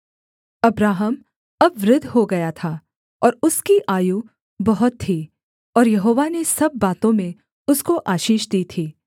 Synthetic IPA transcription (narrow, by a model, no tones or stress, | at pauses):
ɐbɾaːɦəm | ɐbʋɾɪd̪ʱɦoɡɐjat̪ʰaː | ɔːɾʊskiʔaːju | bɐɦʊt̪ʰːiː | ɔːɾjɐɦoːʋanesɐbːaːt̪õmẽ | ʊskoʔaːʃiːʃd̪iːt̪ʰiː